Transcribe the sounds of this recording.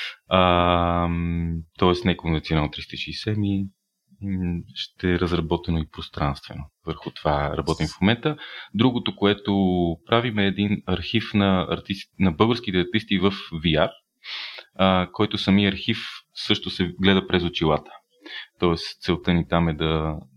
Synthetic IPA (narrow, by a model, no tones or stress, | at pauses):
ə | t̪ɔɛsnɛkonvɛnt̪ionanot̪ɾist̪iʃisɛmi | ʃt̪ɛɾəzɾɐbɔt̪ɛnoipɾost̪ɾanst̪vɛ̰novəɾxʊt̪ovaɾɐ̰bɔt̪imfmomɛnt̪əd̪ɾuɡot̪okoɛt̪opɾavimɛːd̪inɐɾxifnɐɐ̰ɾt̪isnɐbɤlˠɡəɾsk̟it̪ɛɐɾt̪ist̪ivəfviar | əkɔjt̪ʊsɐmiəɐɾxifsɤʃt̪osɛɡlɛd̪əpɾɛzot͡ʃilˠat̪ə̥ | t̪ɔɛst̪sɛlˠt̪ɤnit̪amɛd̪ɐ